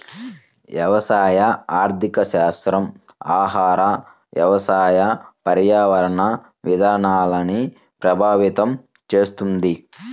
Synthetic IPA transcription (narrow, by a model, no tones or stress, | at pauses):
ʋjɐʋɐsaːjɐaːɾt̪ʰikɐʃaːst̪ɾɐmaːɦaːɾɐ | ʋjɐʋɐsaːjɐpɐɾjaːʋɐɾɐɳɐ | ʋid̪ʱaːɾɐɳaːlɐni | pɾɐbʱaːʋit̪ɐm | t͡ʃeːst̪und̪i